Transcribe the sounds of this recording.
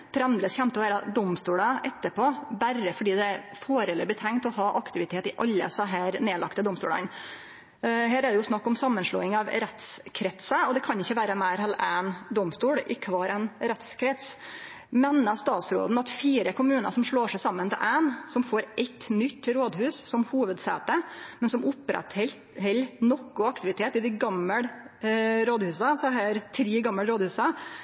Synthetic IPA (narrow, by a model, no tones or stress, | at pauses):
p̪ʰɾɛnd̪ɾəsçɛnt̪əɔʋæːɾəd̪ɔmst̪uːɽəʔɛt̪ːəpʰoːbæɾəfɔɖiːd̪ɛæɾfoːɾɛlɛbət̪ʰɛŋt̪ɔɦɑːʔɑkt̪ɪʋɪt̪ʰeːt̪ɪʔɑlːə̰sɔɦæːɾneːlɑ̰kt̪əd̪ɔmst̪uːɽɑ̰n | ɦæːɾæɖ̪ɛjʊsnɑkːɔmsɑmːənʂɭɔ̰ːɪŋɑʋɾɛt̪skʰɾɛt̪səɔd̪ɛkʰɑnɪçːəʋæːɾəmæɪɾɦɛlænd̪ɔmst̪uːɽɪ̰kʰʋɑːɾɛnɾɛt̪skʰɾɛt̪s | meːnːəst̪ɑːt̪sɾo̰ːd̪n̩ɑt̪fiːɾəkʰʊmʉːnə̰ʂɔmʂɭoːʂæɪsɑmːənt̪ɪ̰ʔæɪnsɔmfoːɾʔɛt̪ːnʏt̪ːɾoːd̪hʉːssɔmhuːʋəd̪sæ̰ːt̪əmɛnsɔmʊpːɾɛ̰t̪hɛl | hɛlːnɔkːʊɑkt̪ɪʋɪt̪ʰeːt̪ɪd̪ɪɡɑmːəɽ | ɾoːd̪hʉːsɑsɔhæːɾt̪ʰɾiːɡɑmːəlɾoːd̪hʉːsɑ